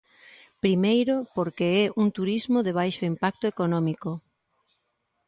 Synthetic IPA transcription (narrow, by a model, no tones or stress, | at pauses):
pɾimejɾopoɾkeɛʔuŋt̪uɾizmoðeβ̞ajʃoimpak̚t̪ʊekonɔmiko